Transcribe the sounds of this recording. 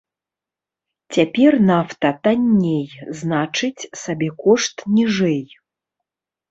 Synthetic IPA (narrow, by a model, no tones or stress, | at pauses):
t͡sʲapʲɛrnaft̪ɐt̪anʲːejznat͡ʂɨt͡sʲsabʲɛkɔʂt̪nʲiʐɛj